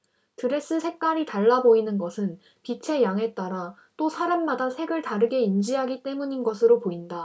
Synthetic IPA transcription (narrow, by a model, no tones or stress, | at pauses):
tɯɾe̞s͈ɯsʰe̞k̚k͈aɾitaɭːaboinɯnɡʌsʰɯn | pit͡ɕʰe̞jaŋɦe̞t͈aɾa | t͈osʰaɾamːadasʰe̞ɡɯɭtaɾɯɡe̞ind͡ʑiɦaɡit͈e̞muɲinɡʌsʰɯɾopoinda